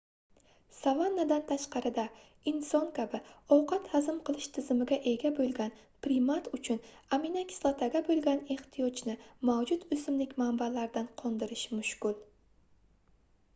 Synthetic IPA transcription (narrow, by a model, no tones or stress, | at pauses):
savanːad̪ant̪ʰaʃqɑɾɪd̪a | ɪnsɒŋkʲʰabɪɒwqʰɑt̪hazɪmqɨlˠɪʃt̪ʰɪzɪmɪɡʲaʔe̞ɡʲabolˠɡʲan | pɾɪmat̪ʰʊt͡ʃʰʊnaminakʲʰɪ̥slˠat̪ʰaɡʲabolˠɡʲane̞ht̪ʰijɒt͡ʃnɪmawd͡ʒʊt̪ɵsɪmlɪkʲmambalaɾd̪anqʰɒnd̪ɪɾɪʃmʊʃkʊlˠ